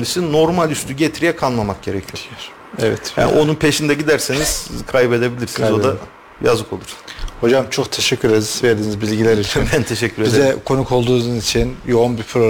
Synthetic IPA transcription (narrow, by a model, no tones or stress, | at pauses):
lisino̞ɾmalʲyst̪ʰyɟet̪ʰiɾijɛkʰalˠmamak̚ɟe̞ɾɛcʰijo | ɛvɛt̪ja̰nḭʔo̞nunpʰe̞ʃind̪ɛɟid̪æɾseniz̥kʰajbe̞d̪e̞bilʲiɾsinzzo̞d̪a | ja̰zɯkʰo̞lˠuɾho̞d͡ʒamt͡ʃʰo̞kt̪ʰeʃɛcʰːyɾed̪iz̥veɾd̪iːnizbilʲɟilʲæɾit͡ʃ̪ʰbænt̪ʰe̞ʃɛcʰːyɾeizzɛkʰo̞nukʰo̞lˠd̪uːnuzit͡ʃʰinjo̞unbipʰɾo